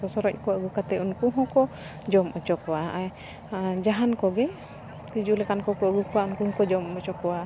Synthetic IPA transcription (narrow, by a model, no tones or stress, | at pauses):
ɔsɔɾɔc̚ˀkɔwaʔɡukat̪ɛʔunkuɦɔ̃kɔ | d͡ʒɔmɔt͡ʃɔkɔwaa | d͡ʒaɦankɔɡɛ | t̪ud͡ʒulɛkankɔkɔaɡukɔwaunkuɦɔ̃kɔd͡ʒɔmɔt͡ʃɔkɔwa